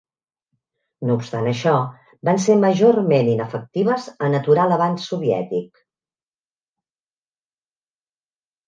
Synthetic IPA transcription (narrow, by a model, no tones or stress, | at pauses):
noupst̪anəʃɔ | banseməʒormeninəfək̚t̪iβ̞əzənət̪uɾaləβansuβiɛ̰t̪ik